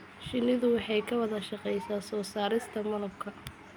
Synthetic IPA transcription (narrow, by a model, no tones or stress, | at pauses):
ʃɪlɪðʊwɑħɑjkʰɐwɐðɐʃɑqɛjsaːsɔːsaːɾɪst̪ʰɐmɐlɐb̚kʰɐ